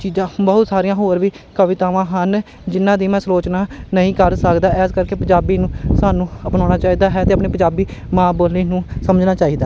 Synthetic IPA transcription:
t͡ʃiːzãːbəɦʊt̪saːɾijãːɦoːɾʋiː | kəʋɪt̪aːʋãːɦən | d͡ʒɪnːãːd̪iːmɛ̃ːsɾoːt͡ʃnaːnəɦĩːkəɾsəkd̪aːʔɛːskəɾkeːpə̃d͡ʒaːbiːnũːsaːnũːəpnãːɽ̃aːt͡ʃaːiːd̪aːɦɛːt̪eːəpneːpəɲd͡ʒaːbiːmãːboːlniːnũːsəməd͡ʒnaːt͡ʃaːiːd̪aː

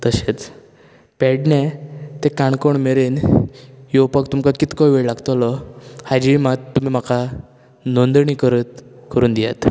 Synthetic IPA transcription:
t̪əɕet͡s | pɛɽnet̪ekaɳkoɳmeɾen | jowpəkt̪umkakit̪kɔʋeɭlaɡt̪ɔlɔhad͡ʑimat̪ːum̤iːm̤aka | nond̪ɳ̃ikəɾət̪kʰəɾuːnd̪ijat̪

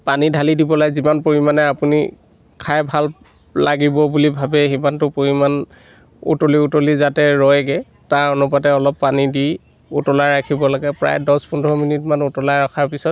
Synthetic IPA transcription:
panidʱalidibɔlazimanpoɹimanɛapunḭ | kʰajbʱal | laɡibɔbulibʱabɛɦimantʊpoɹiman | ṵtoliutolizatɛɹɔjɡɛ | taɹɔnupatɛɔlɔpːanidi | utɔlajɹakʰibɔlaɡɛpɹa̰jdɔspundɔminitmanutɔlajɹakʰaɹpisɔt̚

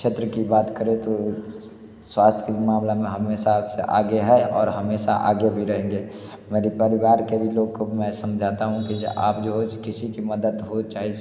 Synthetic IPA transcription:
ʃʰet̪ɾəkibaːt̪kəɾet̪o | swaːst̪ʰkimaːmlamẽɦəmesasḛʔa̰ːɡeɦɛɔ̰ːɾɦəmesa̰ʔa̰ːɡebʱiɾəɦẽŋɡeː | meːɾipəɾɪbaːɾkebʱiloːɡkomɛ̃səmd͡ʒʱat̪aɦũkia̰ːpd͡ʒoɦod͡ʒkɪsikiməd̪əd̪ɦot͡ʃaːɦi

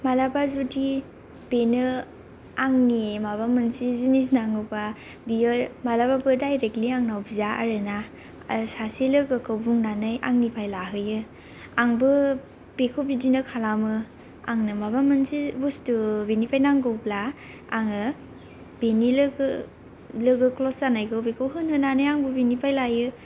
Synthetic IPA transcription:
malabazudi | b̥enɯ | aŋnimabamɯnsizinisnaŋɯba | biɯmalababɯdajɾek̚liaŋnawbizaʔa̰ɾɯna | saselɯkɯkɯwbuŋnanɯjʔa̰ŋnipʰajlaɦɯjɯ | aŋbɯ | b̥ekʰɯwbidinɯkʰalamɯ | a̰ŋnɯmaβamɯnsibustubenipʰajnaŋɡɯwpla | aŋɯ | b̥enilɡ | lɯɡɯklɔsanajkʰɯwbekʰɯwɦɯnɯnanɯjaŋbubenipʰajlajɯ

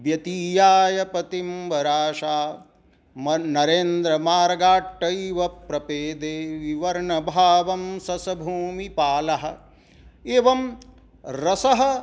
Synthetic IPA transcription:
bjɐt̪iːjaːjɐpɐt̪imʋɐɾaːʃaː | mnɐɾeːnd̪ɾɐmaːɾɡaːʈːɐjʋɐpɾɐpeːd̪eːʋiʋɐɾɳɐbʱaːʋɐmsɐsɐbʱuːmipaːlɐɦɐ̆ | eːʋɐm | ɾɐsɐɦɐ̆

